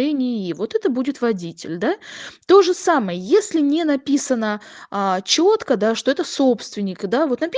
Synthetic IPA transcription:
ɛnʲɪjjivo̞t̪ɛt̪əbudʲɪt̪vɐdʲitʲɪ̰lʲd̪at̪o̞ʐɨsaməjəjesʲlʲɪnʲenɐpʲisənəət͡ɕot̪kəd̪aʂt̪o̞ɛt̪əso̞pst̪vʲɪnʲːɪkd̪avo̞t̪nɐpʲ

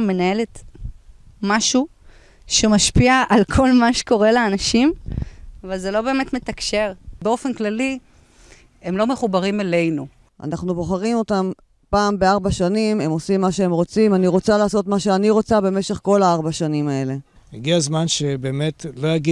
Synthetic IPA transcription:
mːe̞nae̞let | maʃu | ʃemaʃpiaʔalkʰo̞lmaʃe̥ko̞ʁeleanaʃimavalzelo̞be̞ːme̞tmetakʃe̞ʁbeo̞fenklali | emlo̞me̞χubaʁimele̞jnu | ʔa̰naχnubo̞χaʁimo̞tam | paːmbeaʁbaʃanime̞mo̞simːaʃeemʁo̞t͡simaniʁo̞t͡salaːso̞tmaʃe̞aniʁo̞t͡sabe̞me̞ʃe̞χko̞laaʁbaʃanimae̞le̞ | eɡiazmanʃebe̞ːmetlojaɡi

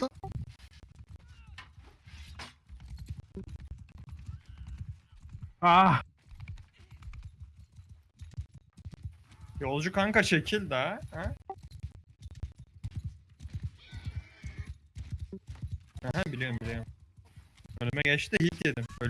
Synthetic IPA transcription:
a | jo̞lˠd͡ʒukaŋkaʃecʰilʲd̪ɛhæ | hɛɦæbilʲijo̞ɾmbilʲijoɾm | ølʲymɛɟɛt͡ʃt̪ʰɪɦilʲcd̪ed̪imø

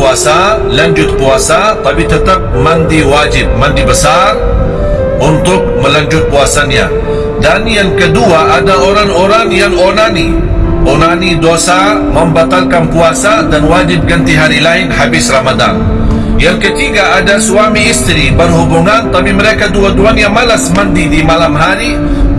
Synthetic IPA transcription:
aːsa | lɐnʲd͡ʒut̪puwaːsat̪ˤɐbit̪ʰɐt̪ɐk̚mɐnd̪iwaːd͡ʒib̚mɐnd̪ibɐsaːɾ | ʊnt̪ʊk̚mɐlɐnd͡ʒut̪̚puwaːsɐnja̰ | d̪aːnijɐnkɐd̪uwaʔɐdɐoːɾanoːɾaːnjɐnoːnaːni | ɔnanid̪osa | məmbat̪alkanpuasadanwad͡ʒɪb̚ɡənt̪iɦaɾilainhabɪsramad̪a̰n | jaŋkət̪iɡaːdasuwamiɪst̪ɾibəɾɦubuŋant̪apiməɾekaduaduanjamalasmənd̪idimalamɦaɾi

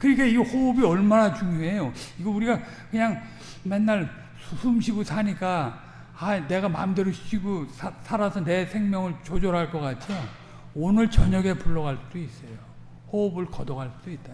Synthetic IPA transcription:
kɯɾikʰeiɡhoːbiʌɭmanat͡ɕuŋjoɦe̞joiɡʌuɾiɡa | kɯɲaŋ | me̞nːaɭ | susʰumɕʰiɡusʰaɲik͈a | ane̞ɡama̰mdeɾoɕʰiɕʰiɡosʰasʰaɾasʰʌne̞sʰe̞ŋmjʌŋɯɭt͡ɕod͡ʑoɾɦaɭk͈ʌk͈at͡ɕʰija | onɯɭt͡ɕʌɲʌɡe̞puɭːʌɡaɭsud̥ois͈ʌjo | hoːbɯɭkʌdʌɡaɭsud̥oit̚t͈a

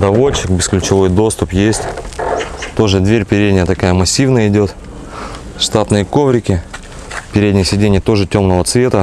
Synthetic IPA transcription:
d̪ɐvo̞t͡ɕːɪkbʲɪsklʲʊt͡ɕɪvo̞jd̪o̞st̪ʊpjesʲtʲ | t̪o̞ʐɨd̪vʲeɾʲpʲɪɾʲed̪ʲnʲɪjət̪ɐkajəmɐsʲːivnəjəɪdʲo̞t̪ | ʂt̪at̪nɨjəko̞vɾʲɪkʲɪ | pʲɪɾʲedʲnʲɪjəsʲɪdʲenʲɪjət̪o̞ʐɨtʲo̞mnəvət̪svʲe̞t̪ə

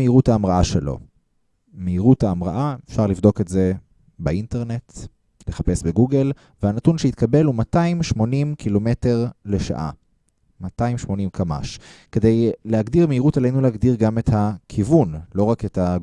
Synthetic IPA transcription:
eiʁutaːmʁaaʃelo̞̰ | meiʁuthaːmʁa̰ʔaefʃaʁlivdo̞ketze̞ | bainteʁne̞t | leχape̞sbeɡuɡel | vehanatunʃeit̪kabe̞lumataimʃmo̞nimkilo̞me̞te̞ʁle̞ʃa̰ʔa̰ | mataimʃmo̞nimkʰama̰ʃke̞de̞jleaɡdiʁmeiʁutalejnuleaɡdiʁɡame̞thakʰivunlo̞ʁaketha

